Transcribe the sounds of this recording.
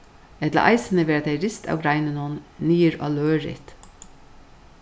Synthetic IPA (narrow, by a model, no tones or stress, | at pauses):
ɛd̪lɑ̰ʔɑ̰ɪsənəʋeːɾɑt̪ʰeɪɾɪst̪ʰɑ̰ʊɡɾɑɪnənuːnniːəɾɑ̰ːløːɹɪ̰t̪